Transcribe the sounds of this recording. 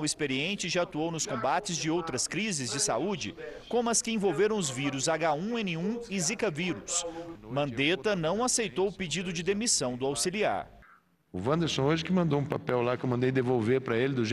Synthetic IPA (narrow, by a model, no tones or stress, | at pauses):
wɪspeɾiẽnt͡ʃɪʒaat̪uownʊskõmbat͡ʃɪzd͡ʒɪowt̪ɾɐskɾizɪzd͡ʒɪsa̰ud͡ʒɪ̰kõmʊɐskɪẽvowveɾɐ̃w̃ʊzviɾʊzaɡaũẽnɪũɪzikɐviɾʊsmɐ̃nd̪et̪ɐnɐ̃w̃asejt̪owʊped͡ʒid̪ʊd͡ʒɪd̪emisɐ̃w̃d̪ʊawsilia̰ɾ | ʊvɐ̃nd̪eɾsõoʒɪkɪmɐ̃nd̪owũpapɛwlakewmɐ̃nd̪ejd̪evowveɾpɾɐelɪd̪ʊʒ